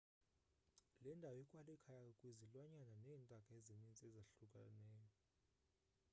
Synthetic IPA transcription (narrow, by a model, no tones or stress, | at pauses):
lɛndʱawɛkʼwalɛkʰajakʼɔkʼwizilwaɲananɛːntʼakʼaezinint͡sʼɛzaɬukʼa̰nɛːjɔ